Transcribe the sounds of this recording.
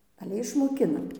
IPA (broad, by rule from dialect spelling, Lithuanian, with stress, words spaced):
ɐˈlʲɛ ɪʃmoːˈkʲɪnɐm